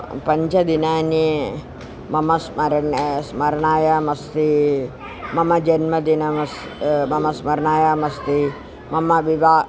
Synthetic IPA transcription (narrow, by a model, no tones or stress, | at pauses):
pɐɲt͡ʃɐd̪inaːni | mɐmɐsmɐɾnsmɐɾɳaːjɐmɐst̪i | mɐmɐd͡ʒɐnmɐd̪inɐmɐs | mɐmɐsmɐɾɳaːjamɐst̪i | mɐmɐʋiʋaː